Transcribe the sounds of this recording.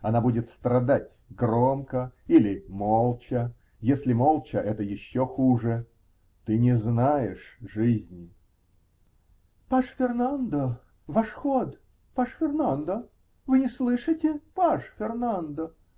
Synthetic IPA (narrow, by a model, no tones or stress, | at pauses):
ɐnabudʲɪt̪st̪ɾɐd̪atʲ | ɡɾomkəilʲɪmolˠt͡ɕə | jesʲlʲɪmolˠt͡ɕəʔɛt̪əjɪɕːoxuʐɨ | t̪ɨnʲɪznajɪʂʐɨzʲnʲɪ | paʂfʲɪrnand̪ə | vaʂxot̪ | paʂfʲɪrnand̪ə | vɨnʲɪslˠɨʂɨtʲɪpaʂfʲɪrnand̪ə